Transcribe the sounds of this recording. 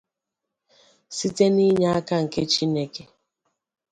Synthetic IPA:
si˦te˦ni˦ɲa˦a˦ka˦ŋ̩˨ke˦t͡ʃi˦ne˦ke˨

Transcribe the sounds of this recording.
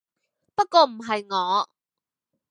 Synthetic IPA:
pɐ˥t̚kɔː˧m̩˨˩ɦɐ˨jŋɔː˨˧˦

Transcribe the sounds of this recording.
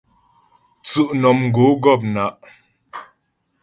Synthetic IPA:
t͡sʉ˦˨ʔnɔ˨mŋ̩˨ɡo˨˦ɡɔ˦˨p̚na˨˦ʔ

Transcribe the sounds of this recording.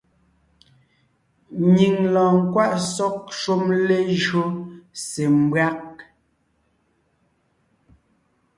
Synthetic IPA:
ɲi˨ŋlɔ̃ː˨ŋ̩˨kwa˦ʔsɔ˦k̚ʃu˦mle˦ʒɰo˦se˨m˨bwa˦k̚

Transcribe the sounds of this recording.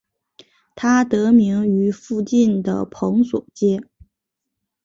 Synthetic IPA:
t̪ʰa˥t̪ɤ˧˥mi˧˥ŋy˧˥fu˥˧t͡ɕi˥˩nd̪ə̰˩pʰɤ˧˥ŋswɔ̰˨˩t͡ɕjɛ˥

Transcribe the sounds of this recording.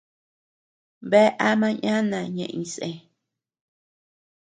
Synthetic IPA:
βe˦ʔa˦mã˦ɲã˦nã˨ɲḛ̃˧ʔĩ˧˨sẽ˨

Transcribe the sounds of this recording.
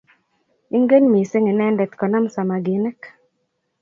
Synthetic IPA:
i˦ŋɡe˦nmi˨se˦ŋe˨nɛ˦ndɛ˨t̪kɔ˨na˦msa˨ma˨ɡi˨ne˦k

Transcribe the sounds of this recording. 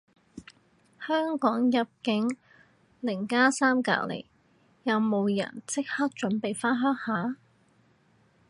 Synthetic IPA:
hœː˥ŋkɔː˨˥ŋjɐ˨p̚kɪ˨˥ŋ | lɪ˨˩ŋkaː˥saː˥mka̰ː˧k̚lḛ˨˩j | jɐ˨˧wmo˨˧wjɐ̰˨˩nt͡sɪ˥k̚hɐ˥k̚t͡ʃɵ˨˥npe˨jfaː˥nɦœː˥ŋhaː˨˥

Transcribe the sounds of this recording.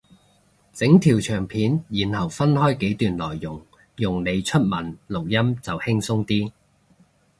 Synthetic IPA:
t͡sɪ˨˥ŋt̪ʰiː˨˩wt͡ʃʰœː˨˩ŋpʰiː˨˥njiː˨˩nhɐ˨˩wfɐ˥nhɔː˥jke˨˥jt̪yː˨nlɔː˨˩jːʊ˨˩ŋ | jʊ˨ŋne˨˧jt͡ʃʰɵ˥t̚mɐ˨˩nlʊ˨˩k̚jɐ˥mt͡sɐ˨whɪ˥ŋsʊ˥ŋt̪iː˥

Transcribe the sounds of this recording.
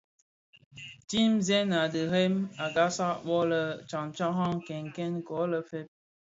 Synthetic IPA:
ti˦mzɛ˦na˨də˨ɾe˦ma˨ɡa˦sa˦ʔɓɔ˦lə˦t͡ʃa˨ŋ˨t͡ʃa˦ɦa˦ŋkɛ˨ŋ˨kɛ˦n˦kɔ˨˦lə˨fe˦p̚

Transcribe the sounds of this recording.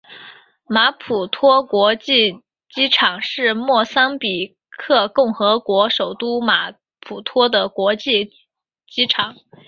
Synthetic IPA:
ma˧˥pʰu˨˩t̪ʰwɔ˥kwɔ˧˥t͡ɕi˥˩ | t͡ɕi˥ʈ͡ʂʰɑ˨˩˦ŋʂɻ̩˥˧mwɔ˥˩sa˥ŋpi˨˩ | kʰɤ˥˧kʊ˥˩ŋxɤ˧˥kwɔ˧˥ʂo˨˩ʊt̪u˥ma̰˧˥ | pʰu˨˩t̪ʰwɔ˥d̪ə˨kwɔ˧˥t͡ɕi˥˩ | t͡ɕi˥ʈ͡ʂʰɑ˨˩˦ŋ

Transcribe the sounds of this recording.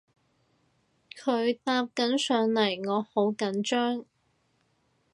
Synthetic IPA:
kʰɵ˨˧ɥt̪aː˧p̚kɐ˨˥nsœː˨˧ŋlɐ˨˩jŋɔː˨˧ho˨˥wkɐ˨˥nt͡ʃœː˥ŋ

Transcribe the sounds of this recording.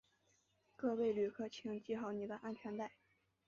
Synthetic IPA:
kɤ˥˧we˥˩ɪly˨˩kʰɤ˥˩t͡ɕʰi˧˥ŋt͡ɕi˥˧xɑ˥˩ʊni˨˩d̪ə˦ʔa˥˧nt͡ɕʰɥɛ˧˥nt̪a˥˩ɪ

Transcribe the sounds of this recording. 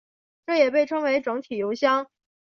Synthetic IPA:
ʈ͡ʂɤ˥˩jɛ˨˩p̬e˥˩ɪʈ͡ʂʰɤ˥ŋwe˧˥ɪʈ͡ʂɤ˧˥ŋt̪ʰi˨˩jo˧˥ʊɕjɑ˥ŋ

